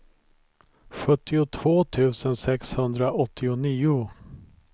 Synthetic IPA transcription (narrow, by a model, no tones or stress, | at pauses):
ɧɵt̪ːɪʊt̪ʰv̥oːt̪ʰʉ̟ːsənsɛkshɵnd̪ɾaʔɔt̪ʰːɪʊniːʊ